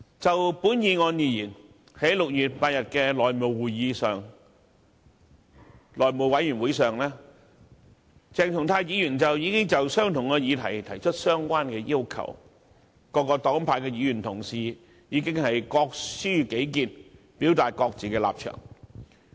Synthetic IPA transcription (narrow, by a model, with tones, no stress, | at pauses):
t͡sɐ˨wpuː˨˥njiː˨˧ŋɔː˧njiː˨˩jyː˨˩n | he˨˥jlʊ˨k̚jyː˨t̚paː˧t̚jɐ˨t̚kɛː˧lɔː˨jmo˨˩wwuː˨jjiː˨˧sœː˨ŋ | lɔː˨jmo˨˩wɐ˨˥jyː˨˩nwuː˨˥jsœː˨ŋlɛː˥ | t͡sɛː˨˩ŋt̪ʰʊ˨˩ŋt̪ʰaː˧jjiː˨˧jyː˨˩nt͡sɐ˨wjiː˨˧kɪ˥ŋt͡sɐ˨wsœː˥ŋt̪ʰʊ˨˩ŋkɔː˧jiː˨˧t̪ʰɐ˨˩jt̪ʰɐ˨˩jt͡ʃʰɵ˥t̚sœː˥ŋkʷaː˥nkɛː˧jiː˥wkʰɐ̰˨˩w | kɔː˧kːɔː˧t̪ɔː˨˥ŋpʰaː˧jkɛː˧jiː˨˧jyː˨˩nt̪ʰʊ˨˩ŋsiː˨ | jiː˨˧kɪ˥ŋhɐ˨jkɔː˧k̚syː˥ke˨˥jkiː˨n | piː˨˥wt̪aː˨t̚kɔː˧k̚t͡siː˨kɛː˧la̰ː˨p̚t͡ʃʰœ̰ː˨˩ŋ